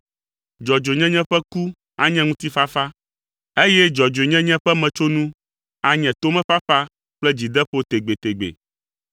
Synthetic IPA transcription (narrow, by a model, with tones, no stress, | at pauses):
d͡ʒɔ˨d͡ʒo˨ɲɛ̃˦ɲɛ̃˦ɸɛ˦ku˦ | a˨ɲɛ̃˦ŋũ˦t̪i˦fa˦fa˦ | e˦jɛ˦d͡ʒɔ˨d͡ʒo˨ɲɛ̃˦ɲɛ̃˦ɸɛ˦mɛ̃˨t͡ʃo˦nũ˦ | a˨ɲɛ̃˨t̪o˦mɛ̃˦fa˦fa˦ | k͡plɛ˦d͡ʑi˨d̪ɛ˦ɸo˦t̪e˨ɡ͡be˨t̪e˨ɡ͡bḛ˨